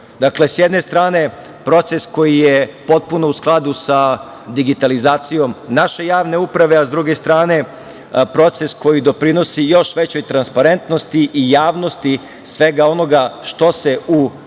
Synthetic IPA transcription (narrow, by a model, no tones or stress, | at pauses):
d̪akle̞sjed̪ne̞st̪ɾaːne̞ | pɾo̞t̪se̞sko̞jijepo̞t̪̚punousklˠad̪usa | d̪iɡit̪alizaːt̪sijo̞mnaʃe̞jaːʋne̞upɾaʋe̞azd̪ɾuɡe̞st̪ɾaːne̞ | pɾo̞t̪se̞sko̞jid̪o̞pɾino̞sijo̞ʃʋe̞t͡ɕo̞jt̪ɾanspaɾe̞nt̪no̞st̪iʔijaːʋno̞st̪i | sʋe̞ɡao̞no̞ɡaʃt̪o̞se̞u